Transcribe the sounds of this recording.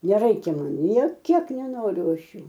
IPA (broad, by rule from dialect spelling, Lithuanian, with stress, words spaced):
nʲɛˈrɐɪkʲɛ ˈmɐn nʲeː ˈkʲiɛk nʲɛˈnoːrʲʊ ˈɐʃ ˈjuː